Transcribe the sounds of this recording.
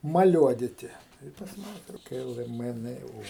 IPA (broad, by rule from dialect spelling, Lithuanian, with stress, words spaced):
mɐˈlʲuɔdʲɪtʲɪ ˈtɐɪ ɪ pɐs ˈmɑːnʲɛ ˈtoːkʲɛ ˈɪlˠɡɐ ˈmɘ ˈnɘ ˈoː